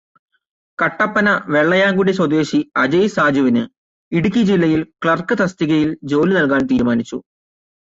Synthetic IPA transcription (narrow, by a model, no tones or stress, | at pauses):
kɐʈːɐpːɐnɐʋe̞ɭːɐjaːŋɡuɽiswɐd̪eːɕiɐd͡ʑɐjsaːd͡ʑuʋinɨ | iɽuk̬ʲːid͡ʑilːɐjilkɭɐrkɨt̪ɐst̪iɣɐjild͡ʑo̞ːlinɐlkaːnt̪iːɾumaːnit͡ɕːṵ